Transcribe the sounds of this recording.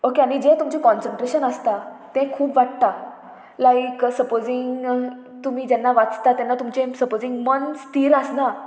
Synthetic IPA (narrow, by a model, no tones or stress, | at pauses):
okeaɽ̃id͡ʑet̪umt͡ɕẽkɔ̃nsəɳʈɾeɕənəst̪at̪ẽkʰuːpʋaʈ̚t̪a | lajksəpod͡ziŋ | t̪um̤iːd͡ʑɛnːaʋat͡st̪at̪ɛ̃nːat̪umt͡ɕẽsəpod͡ziŋɡmənst̪iːɾəsna